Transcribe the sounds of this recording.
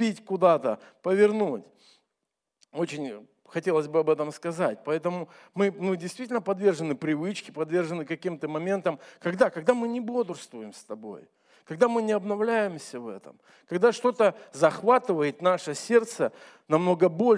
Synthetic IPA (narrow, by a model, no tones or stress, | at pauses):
pʲitʲkʊd̪at̪əpəvʲɪrnutʲ | o̞t͡ɕɪnʲ | xɐtʲe̞lˠəzʲbɨɐbɛt̪əmskɐzat̚ʲpɐɛt̪əmʊmɨnɨdʲɪjst̪ʲitʲɪlʲnəpɐd̪vʲe̞rʐɨnːɨpɾʲɪvɨt͡ɕkʲɪ̥pɐd̪vʲe̞rʐɨnːɨkɐkʲimt̪əmɐmʲe̞nt̪əmkɐɡd̪akɐɡd̪amɨnʲɪbo̞d̪ʊrst̪vʊjɪmst̪ɐbo̞̰j | kɐɡ̚d̪amɨnʲɪɐbnɐvlʲæjɪmsʲəvɛ̰t̪ə̰m | kɐɡ̚d̪aʂt̪o̞t̪əzɐxvat̪ɨvəjɪt̪naʂəsʲe̞rt̪sə | nɐmno̞ɡəbo̞lʲ